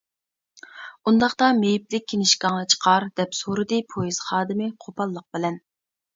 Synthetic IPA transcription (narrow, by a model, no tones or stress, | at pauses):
und̪ɑχt̪ɑmejiplɪk̚ʲʰːinɪʃkɑŋnɨt͡ʃʰə̥qʰɑɾd̪̥ɛpsoɾɨd̪ɨpʰojiz̥χɑːd̪ɨmɪqʰopʰɑlˠːəq̚bɪlɛn